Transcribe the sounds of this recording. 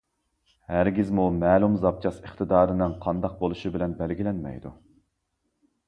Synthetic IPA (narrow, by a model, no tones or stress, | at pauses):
hæɾɡʲizmumɛːlumzɑp̚t͡ʃʰɑsəχt̪ʰɨd̪ɑːɾɨnɨŋqʰɑnd̪ɑq̚bolˠuʃibɪlɛnbɛlɡʲilɛnmɛ̰jd̪ṵ